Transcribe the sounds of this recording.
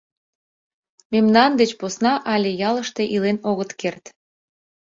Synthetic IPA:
memnɑnd̪et͡ɕposnɑʔɑlʲejɑləʃt̪e̽ʔilenoɣət̪kert̪

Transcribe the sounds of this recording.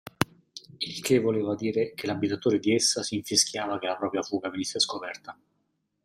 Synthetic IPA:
ilkʰevːoleːvad̪iːɾekelabːit̪at̪oːɾed̪iɛsːasiːɱfiskʰjaːvak̟elapɾɔːpɾjafuːɡavenisːeskopɛrt̪a

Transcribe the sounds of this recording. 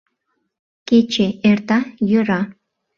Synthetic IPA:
ket͡ʃeʔert̪ɑjøɾɑ

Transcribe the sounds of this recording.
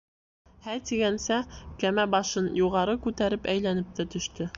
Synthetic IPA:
hæt̪iɡænsækæmæbɑʃɤnjuʁɑɾɤkʉt̪æɾɘpæjlænɘp̚t̪æt̪ɵ̆ʃt̪ɵ

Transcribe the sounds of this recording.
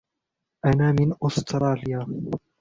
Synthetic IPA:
ʔanaːmɪnʔʊst̪ɾˤɑːljaː

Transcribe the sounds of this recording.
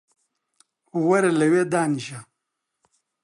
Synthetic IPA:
uwɐɾelɐweːd̪aːniʃa

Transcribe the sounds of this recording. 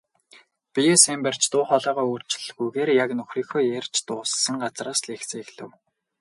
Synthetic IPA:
pijesemper̥t͡ɕt̪ʊːχɔːɮœːʁɔːoːrt͡ɕɪ̆ɮɣujɣeːrjaknʊxriːxoːjer̥ʲt͡ɕt̪ʊːsːə̆ŋɢat͡sraːsɮexseːxɮɘ̆w

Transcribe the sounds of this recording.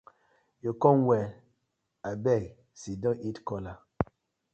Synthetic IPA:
jokɔnwɛ | abɛk | sidɔ̃ʔitkɔla

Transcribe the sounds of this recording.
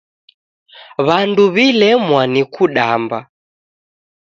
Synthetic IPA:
βanduβilɛmwanikuɗamba

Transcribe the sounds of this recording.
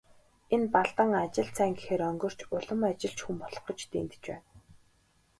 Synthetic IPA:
enpaɮt̪ə̆ŋat͡ɕɪ̆ɮt͡sʰæːŋɡexeːɾœŋɡɞ̆r̥t͡ɕʰʊɮə̆mat͡ɕɪ̆ɬt͡ɕxumpɔɮɞ̥̆χɞ̆t͡ɕt̪ḛːnt̪ɘ̥̆t͡ɕpæ̰ːn

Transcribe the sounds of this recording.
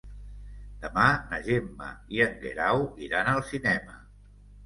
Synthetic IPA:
d̪̥əmanəʒemːə̰iəŋɡḛɾawiɾanəlˠsinɛmə

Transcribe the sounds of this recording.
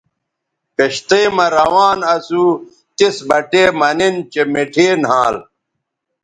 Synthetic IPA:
keɕt̪eːmɐɾɐwaːnɐsu | t̪isbɐʈeːmɐnint͡ɕemeʈʰeːnɦãːl

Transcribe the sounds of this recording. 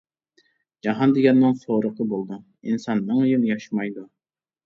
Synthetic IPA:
d͡ʒɑɦɑnd̪ɪɡʲɛnməŋsoɾəqˠəbolˠd̪u | insɑnːəŋjinjɑʃmɑjd̪u

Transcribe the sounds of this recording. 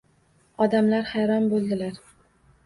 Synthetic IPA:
ɒd̪amlaɾhajɾɒnbolˠd̪ɪlaɾ

